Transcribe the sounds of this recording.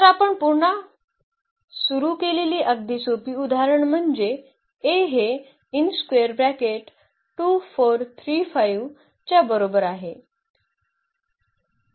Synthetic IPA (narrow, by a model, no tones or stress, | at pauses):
t̪aɾapəɳpuɾɳa | suɾukeleliːʔəɡ̚d̪ʱisopiːud̪ʱaɾəɳm̤əɳd͡ze | eɦe | inskeəɾbɾækeʈ | ʈufoɾt̪ʰɾiːfajʋ | t͡ɕjabəɾobəɾaɦe